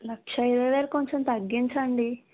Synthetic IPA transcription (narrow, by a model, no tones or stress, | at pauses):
lɐkʂɐiɾɐʋeːlkoɲt͡ʃomt̪ɐɡːint͡ʃɐɳɖi